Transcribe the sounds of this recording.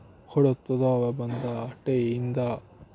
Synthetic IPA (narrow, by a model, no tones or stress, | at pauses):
hɔɽut̪ːɐd̪oɐʋebɐnd̪ɐːʈeind̪ɐ